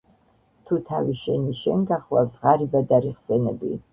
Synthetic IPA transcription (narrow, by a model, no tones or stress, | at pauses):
t̪ʰut̪ʰaviʃɛniʃɛnɡaχlˠawzʁaɾibad̪aɾiχsɛnɛbḭ